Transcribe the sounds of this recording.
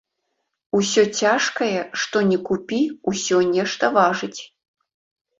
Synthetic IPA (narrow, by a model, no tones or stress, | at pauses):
usʲɔt͡sʲaʂkɐjɛʂt̪ɔnʲɛkupʲiusʲɔnʲɛʂt̪ɐvaʐɨt͡sʲ